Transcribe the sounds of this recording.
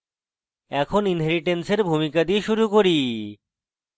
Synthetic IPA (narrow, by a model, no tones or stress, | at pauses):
ɛkʰoninɦɛɾiʈenseɾbʱumikad̪ieʃuɾukoɾi